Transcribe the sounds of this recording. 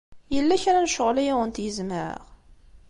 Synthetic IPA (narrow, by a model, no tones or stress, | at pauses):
jəlːæçæɾænʃəʁlæjiwənt̪jəzməɾə̰ʁ